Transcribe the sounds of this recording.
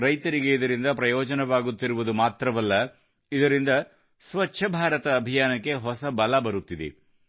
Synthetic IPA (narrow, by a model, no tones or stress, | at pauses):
ɾɐjt̪ɐɾiɡe̞id̪ɐɾind̪ɐpɾɐjɔːd͡ʒɐnɐʋaːɡut̪ːiɾuʋud̪umaːt̪ɾɐʋɐlːɐ | id̪ɐɾind̪ɐ | sʋɐt͡ʃːʃʰɐbʱaːɾɐt̪ɐːbʱijaːnɐkːe̞ɦɔsɐbɐlɐbɐɾut̪ːid̪ḛ